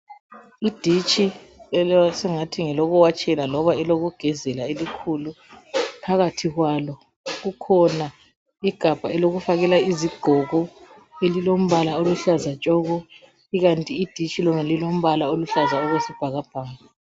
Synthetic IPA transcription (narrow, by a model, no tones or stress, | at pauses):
id̥ʱit͡ʃʼiɛsɛŋatʰiŋɛlɔɣɔwat͡ʃʼɛlalɔβaɛloɣuɡ̥ʱɛzɛlaelikʰulu | pʰaɣatʰiɣwalɔ | ɣukʰɔna | iɡ̥ʱab̥ʱaɛloɣufaɣɛlaiziɡ̥ʱɔɣɔ | elilom̩βalaoluɬazat͡ʃʼɔɣɔ | iɣantʼiːd̥ʱit͡ʃʼilɔŋalilom̩βalaoluɬazaɔɣwesib̥ʱaɣab̥ʱaːŋa